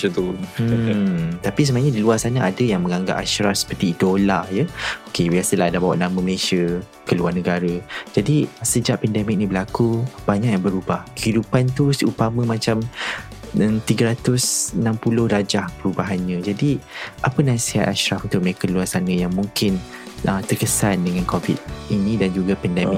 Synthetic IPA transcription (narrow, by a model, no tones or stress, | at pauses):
ət̪um | t̪apis̬əmãɲə̃diluasanəadəjaŋmə̃ŋaŋɡa̰ʔaʃɾafsə̥pərt̪iːt̪uolajəokewiasəlaɦadabawaʔnamə̃məleʃə | kəluarnəɡaɾəd͡ʒadisəd͡ʒaʔpɛndɛmɪk̚nibəlakubaɲaʔjaŋbəɾubahkəhidupant̪usut̪amə̃mãt͡ʃam | ət̪iɡəɾat̪ʊsnãmpulʊhɾad͡ʒahpəɾubaɦanɲə̃d͡ʒadiʔapənasiha̰t̪̚aʃɾafunt̪ʊk̚mekəluarsanə̃jaŋmũŋkɪn | ət̪ərkəsandəŋãnkovḭd̚inĩdand͡ʒuɡapɛndɛmɪ